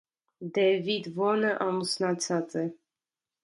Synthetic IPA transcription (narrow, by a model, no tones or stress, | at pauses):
d̪ɛvid̪vɔnəʔɑmusnat͡sʰat͡sɛ